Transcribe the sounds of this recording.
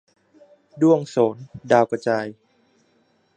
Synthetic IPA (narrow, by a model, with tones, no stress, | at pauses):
du˥˩əŋsoː˩˦ndaː˧wka˧t͡ɕaː˧j